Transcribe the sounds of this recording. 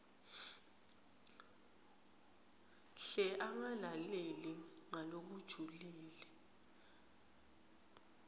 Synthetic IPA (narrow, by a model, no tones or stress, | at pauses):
ɬɛʔaŋalaleliŋalok̬ud̥ʒ̥ʱuliːlɛ